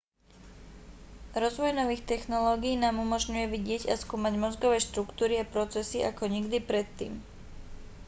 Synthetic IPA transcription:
ɾɔzʋɔjnɔʋiːxt̪ɛxnɔlɔːɡijnaːmumɔʒɲujɛʋiɟɪɛɟaskuːmaɟmɔzɡɔʋɛːʃt̪ɾukt̪uːɾiapɾɔt͡sɛsiʔa̰kɔɲiɡd̪ipɾɛt̪ːḭːm

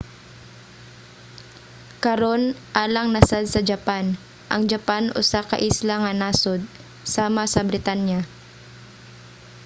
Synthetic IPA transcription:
kɐɾonʔaːlɐŋnɐsad̪̚sɐd͡ʒɐpan | ʔɐŋd͡ʒɐpanʔʊ̰sakɐ̰ʔislaŋɐnaːsod̪̚ | saːmɐsɐbɾɪt̪anja

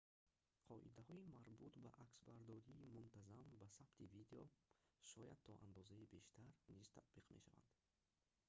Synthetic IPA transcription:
qʰɔʔḭd̪ahɔimaɾbut̪ba̰ʔaksbaɾd̪ɔɾiːmunt̪ʰazambasab̥t̪ʰivid̪eɔ̰ʃɔjad̪̚t̪ʰɔʔa̰nd̪ɔzaibeʃt̪ʰaɾniz̥t̪ʰa̰t̪̚b̥iqmḛʃava̰nd̪̥

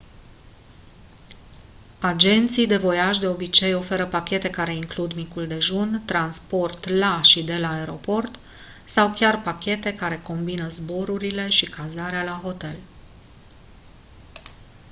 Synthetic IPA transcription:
ad͡ʒe̞nt̪sijd̪e̞vo̞jaʃd̪e̞o̞bit͡ʃe̞jo̞fe̞ɾəpakʲe̞t̪e̞kaɾe̞iŋklud̪mikuld̪e̞ʒunt̪ɾanspo̞rt̪laʃid̪e̞laːeɾo̞po̞rt̪ | sawkʲarpakʲe̞t̪e̞kaɾe̞ko̞mbinəzbo̞ɾuɾile̞ʃikʰazaɾealaɦo̞t̪e̞l

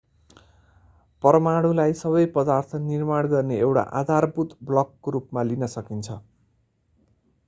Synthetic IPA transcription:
pʌɾʌmaɽ̃ũlajsʌβʌjpʌd̪art̪ʰʌnirmaɽɡʌrneewʈa̰ʔa̰d̪ʱarbut̪blʌkːɾupmalinʌsʌkint͡sʰʌ

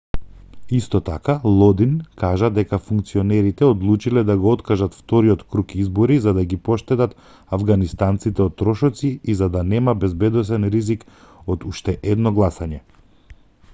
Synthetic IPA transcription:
ist̪ɔt̪akalˠɔd̪inkaʒad̪ɛkafuŋk̚t̪siɔnɛɾit̪ɛɔd̪lˠut͡ʃilɛd̪aɡɔɔt̪kaʒat̪ft̪ɔɾiɔt̪kɾukizbɔɾizad̪aɡipɔʃt̪ɛt̪at̪ | avɡanist̪ant̪sit̪ɛɔt̪ːɾɔʃɔt̪siizad̪anɛmabɛzbɛd̪ɔs̬ɛnɾizik | od̪uʃt̪ɛʔɛd̪nɔɡlˠasaɲɛ

